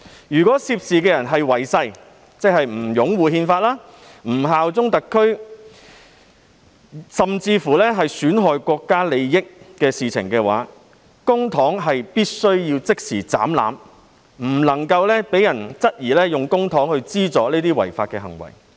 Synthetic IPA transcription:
jyː˨˩kʷɔː˨˥siː˧˥p̚siː˨kɛː˧jɐ˨˩nɦɐ˨jwɐ˨˩jsɐ˧j | t͡sɛ˥k̚hɐ˨jm̩˨˩jʊ˨˥ŋwuː˨hiː˧nfaː˧t̚laː˥ | m̩˨˩ɦaː˨wt͡sʊ˥ŋt̪ɐ˨kʰːɵ˥ɥ | sɐ˨mt͡siː˧fuː˨˩lɛː˥ɦɐ˨jsyː˨˥nɦɔː˨jkʷɔː˧kːaː˥le˨˧jːɪ˥k̚ːɛː˧siː˨t͡sʰɪ̰˨˩ŋkɛː˧wa̰ː˨˥ | kʊ˥ŋt̪ʰɔː˨˥ŋɦɐ˨jpiː˥t̚sɵ˥ɥjiː˧wt͡sɪ˥k̚siː˨˩t͡sa̰ː˨˥mla̰ː˨˥m | m̩˨˩lɐ˨˩ŋkɐ˧wlɛː˥pe˨˥jɐ˨˩nt͡sɐ˥t̚jiː˨˩lɛː˥jʊ˨ŋkʊ˥ŋt̪ʰɔː˨˥ŋhɵ˧ɥt͡siː˥t͡sɔː˨˧˥nliː˥t̪iː˥wɐ̰˨˩jfaː˧t̚kɛ˧ɦɐ̰˨˩ŋwɐ̰˨˩j

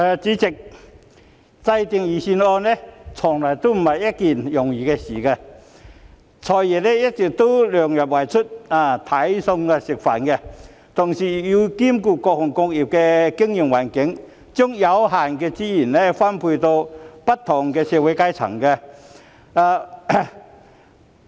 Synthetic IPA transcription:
aː˨˧t͡siː˨˥t͡sɪ˨˩k̚ | t͡sa˧jt̪i˧ŋjiː˨˩si˧nɔː˧nnɛ˥˩t͡sʰɔ˨˩ŋla˨˩jt̪o˥m̩˨˩hɐ˨jɐ˦˥t̚ki˨˩njʊ˨˩ŋjiː˨˩kɛː˧siː˨˩kɛ˧ | t͡sʰɔː˨˩jjɛ˨˩nɛ˦˥jɐ˥t̚t͡sɪ˨˩k̚t̪o˥lœː˨˩ŋjɐ˨˩p̚wa˨˩jt͡sʰʊ˥t̚a˧t̪ʰɐ˨˦˥jsʊ˧ŋkɛ˧sɪ˨˩k̚fa̰˨˩nkɛ˧ | t̪ʰʊ˨˩ŋsiː˨˩ji˧ki˥mkuː˧kɔː˧k̚hʊ˨˩ŋkʊ˧k̚ji˨˩p̚kɛ˧kɪ˥ŋji˨˩ŋwaː˨˩nkɪ˨˥ŋ | t͡sʊ˥ŋja˨˧wɦaː˨˩nkɛː˧t͡siː˧˥ji˨˩nnɛ˦˥fa˥npʰuː˧jt̪o˧pɐ˥t̚t̪ʰːɔ˨˩ŋkɛː˧sɛː˧we˨˧˥jka˥jt͡sʰɐ̰˨˩ŋkɛ˧ | ʔaː˧

